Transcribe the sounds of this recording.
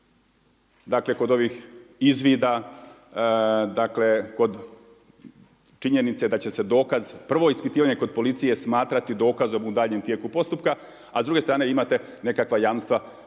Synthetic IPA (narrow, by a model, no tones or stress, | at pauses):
d̪akle̞ko̞d̪o̞ʋixizʋiːd̪a | d̪akle̞ko̞d̪ | t͡ʃiɲe̞nit̪se̞d̪at͡ɕe̞se̞d̪o̞ːkazpr̩ʋo̞ispit̪iːʋaɲe̞ko̞d̪̚po̞lit̪sije̞smaːt̪ɾat̪id̪o̞ːkazo̞mud̪aːʎɲe̞mt̪je̞kupo̞st̪upka | azd̪ɾuɡest̪ɾaːne̞imat̪e̞ | ne̞kakʋajaːmnst̪ʋa